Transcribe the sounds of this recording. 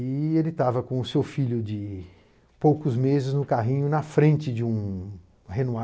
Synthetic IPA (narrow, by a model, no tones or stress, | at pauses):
ɪelɪt̪avɐkõʊsewfiʎʊd͡ʒɪ | powkʊzmezɪznʊkaɦĩɲʊnɐfɾẽnt͡ʃɪd͡ʒɪũ | henua